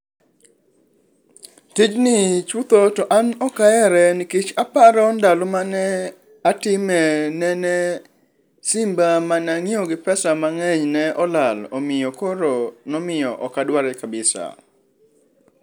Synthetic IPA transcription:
tid͡ʒnɪt͡ʃut̪otɔʔanɔkaɛɾɛnɪkit͡ʃapaɾɔndalomanɛ | atɪmɛnɛnɛ | sɪmbamanaŋioɡɪpɛsamaŋɛɲnɛʔɔlalɔmɪjɔkoɾonɔmɪjɔ̰ʔɔkadwaɾɛkabɪsa̰

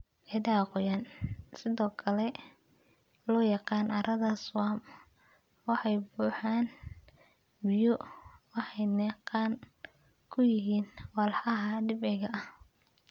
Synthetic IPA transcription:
ʔɛd̪aːqʊjansɪðɔːkʰɐlɛ | lɔːjɑqɑːnʔɐɾɐðɐswaːm | wɑħɑjbuːħaːn | bɪjɔwɑħɑjnɛːqɑːn | kʰʊjɪɦiːnwɑlħɑɦɐɖɪbɛɣɐʔɐh

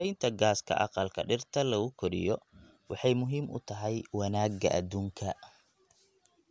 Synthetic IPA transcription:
ɛjnt̪ʰɐɡaːskʰɐ̰ʔɑ̰qɑlkʰɐɖɪrt̪ʰɐlɐɣʊkʰɔɾɪ̰jɔ | wɑħɑjmʊɦiːmʔʊ̰t̪ʰɐɦɛjwɑnaːɡɐʔɐ̰d̪uːŋkʰɐ

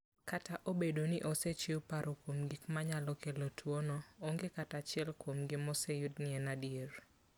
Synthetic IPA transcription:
kataʔobedonɪʔɔset͡ʃɪʊpaɾʔokwomɡikmaɲalɔkelotʰwonɔoŋɡekatat͡ʃɪɛlkwomɡɪmɔsejʊdnɪɛnadieɾ

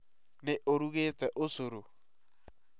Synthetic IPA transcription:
neʔoɾuɣeːtɛʔosoɾo

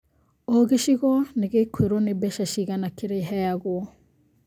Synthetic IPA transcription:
oɣeʃiɣɔneɣekʰweɾonebɛʃaʃiɣanakeɾeɦɛjaɣwɔ

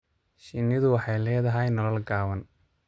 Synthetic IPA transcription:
ʃɪnːɪðʊwɑħɑjlɛːðɐɦɛjnɔlɔlɡaːwɐn

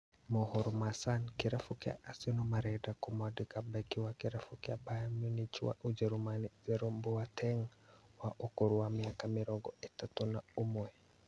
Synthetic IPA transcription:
mɔhɔɾɔmasankiɾafukia̰ʔasinɔmaɾɛdakumadikabɛkiwakiɾafukiabajamjunitiwa̰ʔud͡ʒɛɾumanizɛɾɔmbuatʰɛŋwaʔukuɾuwamiakamiɾɔɡɔʔitatɔnaumwɛ

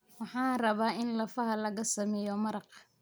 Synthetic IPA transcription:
wɑħɑːrɐβaːɪnlɐfɐɦɐlɐɣɐsɐmɛːjɔmɐɾɑq

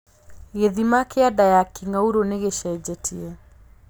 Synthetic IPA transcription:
ɣeðimakeadajakiŋauɾoneɣeʃɛd͡ʑɛtʰiɛ

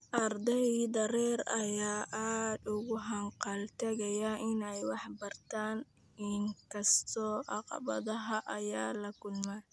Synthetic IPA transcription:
ʔɐrd̪ɛjd̪ɐɾɛːrɐjaːʔaːd̪ʊɣʊɦɐɴqɑlt̪ʰɐɣɐjɐʔɪnɛjwɑħbɐrt̪ʰaːn | ɪŋkʰɐst̪ʰɔːʔɑqɑ̰bɐ̰ðɐɦɐʔɐjaːlɐkʰʊlmaː

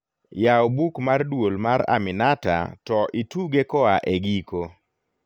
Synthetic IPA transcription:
jaobukmardwolmaɾa̰mɪnata̰tɔʔituɡekɔaʔeɡiko

